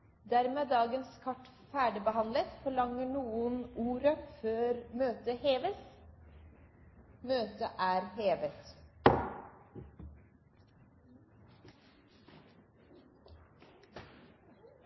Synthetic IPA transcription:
d̪æɾmeːd̪ɑːɡənskʰɑʈ | fæːɖəbəhɑnlət̪fɔɭɑŋəɳuːənuːɾəføːɾmøːt̪əheːʋəs | møːt̪əʔæːɾheːʋət̪

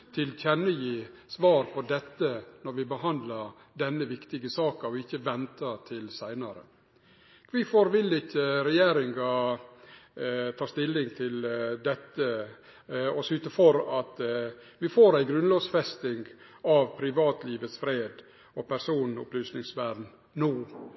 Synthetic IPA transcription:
t̪ʰɪlçɛnːəjiːsʋɑːɾpʰɔd̪ɛt̪ːənɔɾʋɪbəɦɑnd̪ləɾ | d̪ɛnːəʋɪkt̪ɪɡəsɑːkɑɔɪçːəʋɛnt̪ət̪ʰɪlsæɪnɑɾə̰ | ʋɪfoːɾʋɪlːɪçːəɾɛjeːɾɪŋɡɑ | t̪ʰɑːst̪ɪlːɪŋt̪ʰɪld̪ɛt̪ːə | ɔsʉːt̪əfɔɾɑt̪ | ʋɪfoːɾæɪɡɾʉnlɑːsfɛst̪ɪŋɡ | ɑʋpʰɾɪʋɑːt̪liːʋəsfɾeːd̪ | ɔpʰæɾsuːnʊ̰plyːsnɪŋsʋæɖn | nuː

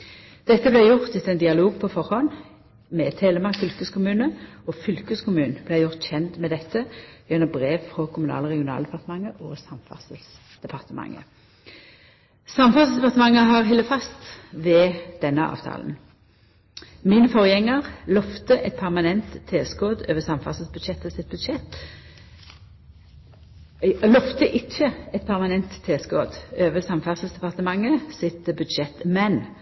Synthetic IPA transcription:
d̪̥ɛt̪ːəblɛjʊʁt̪ɪt̪ɛnd̪ɪɑloːɡ̚pʰɔfɔʁhɔn | mɛt̪ʰeːləmɑfʏlkəskʰʊmʉːnəofʏlkəskʊmʉːnblɛjʊʁt̪çɛnt̪mɛd̪ɛt̪ːəjɛnɔbʁeːʋfʁɔkʰʊmʉnɑ̰ːləʁɛɡɪʊnɑ̰ld̪ɛpʰɑʁt̪əmɑŋːəʔosɑmfɑ̰səls | d̪̥ɛpʰɑʁt̪əmɑ̰ŋːə̰ | sɑmfɑsəsd̪ɛpɑʁt̪əmɑŋːəɦɑʁɦɛlːəfɑst̪ʋɛːd̪̥ɛnːəɑ̰ːʋt̪ʰɑ̰ːln | miːnəfɔʁjɛŋːəʁlɔft̪əʔɛt̪̚pʰæʁmɑnɛnt̪ʰːeːskoːd̪øːʋəsɑmfɑ̰səl̩sbʉd̪ʃɛt̪ːəsɪt̪̚bʉd̪ʃɛt̪ | lɔft̪əʔɪçːəɛt̪̚pʰæʁmɑnɛnt̪ʰːeːskoːd̪øːʋəsɑmfɑsəlsd̪ɛpɑʁt̪əmɑŋːəsɪt̪bʉd̪ʃɛt̪mɛn

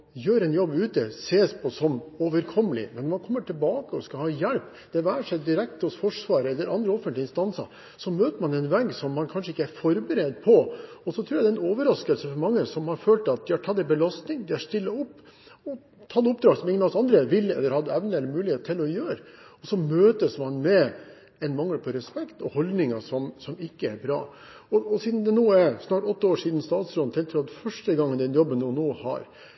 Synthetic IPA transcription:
jøːɾɛnjɔbːʉːt̪əseːspʰɔsɔmoːʋəɾkʰɔmːəlɪ̰mɛnːɔɾmɑnkʰɔmːəʈʰɪlbɑːkəɔskɑhɑːjɛlp | d̪̥ɛʋæːʂɛɪd̪ɪɾɛk̚t̪ɔsfɔʂʋɑːɾəɛlːəɾʔɑnd̪ɾəɔfənt̪lɪnst̪ɑnsə̰ | sɔmøːt̪əɾmɑnɛnʋɛɡːsɔmːɑnkʰɑnʂəɪkːəæɾfɔɾbəɾeːd̪pʰɔɔsɔt̪ʰɾuːjɛd̪ɛnoːʋəɾɑskəlsəfɔɾmɑŋːəsɔmhɑɾføːlt̪ɑt̪̚d̪ɪhɑɾʈʰɑt̪ːɛbəlɑst̪nɪŋd̪ɪæʂt̪ɪlːəʊpː | ɔ | t̪ʰɑd̪ʊp̚d̪ɾɑːɡsɔmɪŋːənɑsɑnd̪ɾəʋɪlːɛ̰lːəɾhɑd̪ːəɛʋnəɛlːəɾmʉːlɪheːt̪ət̪ʰɪlɔjøːɾəɔsɔmøːt̪əsmɑnmɛ | ɛnmɑŋːəlpʰɔɾɛspɛkt̪ɔhɔld̪nɪŋɑʂɔmsɔmɪkːəæɾbɾɑ̰ː | ɔɔsiːd̪n̩d̪ɛnoːæɾsnɑːʈɔt̪ːəoːʂiːd̪n̩st̪ɑːt̪sɾɔnt̪ʰɛlt̪ʰɾuːɑɛfœʂʈəɡɑŋːənd̪ɛnjɔbːənːuːnoːhɑ̰ɾ

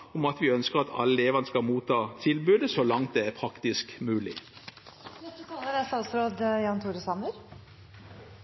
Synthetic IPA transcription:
ʊmɑt̪ʋɪœnskəʁɑt̪ʰɑ̰lːəeːʋɑnskɑlmuːt̪ʰːɑːt̪ʰɪlbʉːd̪əsɔlɑŋt̪̚d̪ɛæɾpʰʁɑkt̪ɪskmʉːlɪ̰ | ɛtət̪ʰɑləɾæst̪ɑːt̪sɾoːd̪jɑːnt̪ʰuːɾəsɑməɾ

